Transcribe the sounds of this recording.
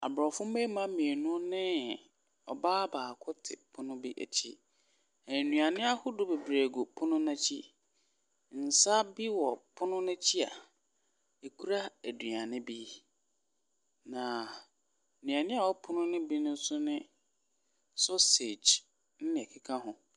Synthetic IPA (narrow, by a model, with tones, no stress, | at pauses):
a˨bɾɔ˨fʊ̃˦me˦mã˦mĩ˨e˨nʊ̃˦nɪ̃˦ | ɔ˨baː˦baː˨kʰʊ˦tʰɪ̰˨pʰʊ˦nʊ̃˦bi˦ʔæ̰˨t͡ɕʰḭ˦ | ɛ̃˨nũ˨a˨nɪ̃˦a˦hʊ˦dʊ˦be˨bɾe˨ɡo˨pʰʊ˦nʊ̃˦nã˦t͡ɕʰi˦ | n̩˨sa˦bi˦wɔ˨pʰʊ˦nʊ̃˦nʊ̃˦t͡ɕʰi˦a̰˨ | e˨kʰu˦ɾa˦æ˨dɥa˨nɪ̃˦bi˦ | nã˨ | nũ˨a˨nɪ̃˦a˨wɔ˦pʰʊ˦nʊ̃˦nɪ̃˦bi˦nʊ̃˦sʊ˦nɪ̃˦ | sɔ˦se˨d͡ʒ | n̩˦nɪ̃˨ɛ˨kʰɪ˦kʰã˦ɦʊ̃˨